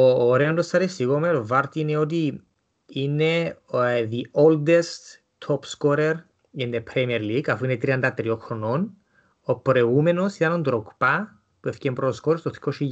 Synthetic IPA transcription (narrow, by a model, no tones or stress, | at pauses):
oːɾeond̪ostɐɾesiɣomeɾovɐɾt̪iineot̪i | ine | ðiold̪est̪ | t̪ʰopskoɾeɾ | indepʰɾemieɾliɡɐfuinet̪ɾiɐnd̪ɐt̪ɾioxɾonon | opɾoeɣumenosit̪ɐnond̪ɾokpɐ | puefcempɾooskoɾest̪oθi̥kʰoʃi